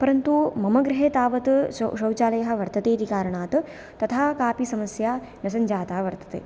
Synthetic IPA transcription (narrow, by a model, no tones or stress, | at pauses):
pɐɾɐnt̪umɐmɐɡɾɪɦeːt̪aːʋɐt̪ʃɐwt͡ʃaːlɐjɐɦɐ̆ʋɐɾt̪ɐt̪eːt̪ikaːɾɐɳaːt̪ | t̪ɐt̪ʰaːkaːpisɐmɐsjaː | nɐsɐɲd͡ʒaːt̪aːʋɐɾt̪ɐ̥t̪ḛː